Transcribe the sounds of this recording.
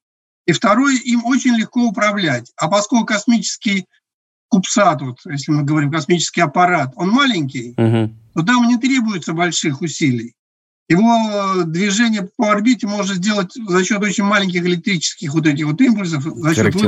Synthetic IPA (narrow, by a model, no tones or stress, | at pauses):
ift̪ɐɾo̞jʔimot͡ɕɪnʲlʲɪxko̞ʊpɾɐvlʲætʲɐpɐskokʊkɐsmʲit͡ɕɪ̥skʲɪj | kʊpsat̪vo̞t̪jesʲlʲɪmɨɡəvɐɾʲimkɐsmʲit͡ɕɪ̥skʲɪjɐpɐɾat̪o̞nmalʲɪnʲk̬ʲɪjt̪o̞t̪̬amnʲɪt̪ɾʲe̞bʊjɪt̪səbɐlʲʂɨxʊsʲilʲɪj | jɪvo̞d̪vʲɪʐɛnʲɪjəpəɐrbʲitʲɪmo̞ʐɨt̪zʲdʲe̞lˠətʲzɐɕːo̞t̪̬ot͡ɕɪnʲmalʲɪnŋʲkʲɪxɨlʲɪk̚t̪ɾʲit͡ɕɪ̥skʲɪxvo̞t̪̬ɛt̬ʲɪxvo̞t̪impʊlʲs̬əfzɐɕːot̪v